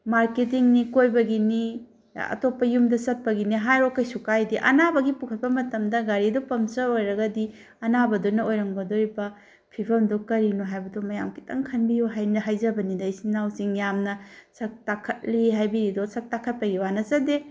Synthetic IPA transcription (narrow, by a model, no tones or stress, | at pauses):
maɾket̬iŋnikojbɐɡini | ɐ̰topːɐjumdɐsɐt̚pɐɡiniɦajɾokːɐjsukajdiʔɐ̰nabɐɡipukʰɐt̚pɐmɐtɐmdɐɡaɾidopɐmsɐojɾɐɡɐdi | ɐnabɐdonɐojɾɐŋbɐdojbɐ | pʰipʰɐmdokɐɾinoɦajbɐdomɐjamkʰi̥tɐ̰ŋkʰɐnbijoɦajnɐɦajzɐbɐnidɐjsinawsiŋjamnɐsɐk̚takʰɐt̚liɦajbiɾidosɐk̚takʰɐt̚pɐɡiwanɐsɐde